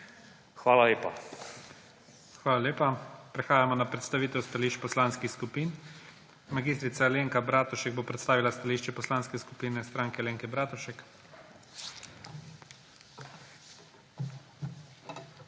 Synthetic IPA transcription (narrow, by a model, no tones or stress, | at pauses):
xʋaːlaleːpa | xʋaːlalʲeːpapɾɛxaːjamɔnapɾɛt̪st̪aʋiːt̪ɛwst̪aliːʃt͡ʃpɔslaːnskixskupiːn | maɡist̪ɾit̪saleːŋkabɾaːt̪ɔʃɛɡ̚boːpɾɛt̪st̪aːʋilast̪aliʃt͡ʃɛpɔslaːnskɛsku̥piːnɛst̪ɾaːŋkɛleːŋkɛbɾaːt̪ɔʃɛk